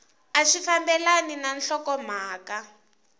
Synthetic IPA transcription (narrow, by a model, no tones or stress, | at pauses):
aʃifambɛlaninanɬɔkɔm̤aːka